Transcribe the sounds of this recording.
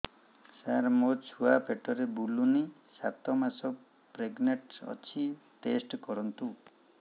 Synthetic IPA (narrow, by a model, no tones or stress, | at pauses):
saɾmot͡ʃʰuapʰeʈɔɾebuluni | sa̰t̪ɔmasɔ | pɾeɡneʈɔ̰t͡ʃʰiʈesʈkɔɾɔnt̪u